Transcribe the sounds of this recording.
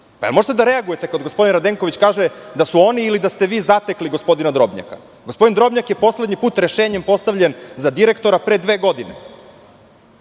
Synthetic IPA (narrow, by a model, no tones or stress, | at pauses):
paelmo̞ʒet̪ed̪aɾeaɡuje̞t̪e̞kaod̪ɡopo̞d̪inɾad̪eŋkoʋit͡ɕkaːʒed̪asuo̞niːlid̪ast̪e̞ʋiːzat̪ekliɡo̞spo̞d̪inad̪ɾo̞bɲa̰ka̰ | ɡospo̞d̪ind̪ɾo̞bɲakje̞po̞sle̞d̪ɲipuːt̪ɾe̞ʃeːɲempo̞st̪aʋʎenzad̪iɾe̞kt̪o̞ɾapɾed̪ʋe̞ːɡo̞d̪ine̞̰